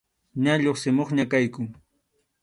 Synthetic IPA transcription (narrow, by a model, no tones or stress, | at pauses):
ɲaʎoχsɪmoχɲakajkʊŋ